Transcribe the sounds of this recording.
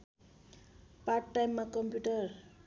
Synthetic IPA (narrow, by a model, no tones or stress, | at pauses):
parʈːajmːakʌmpjuʈʌr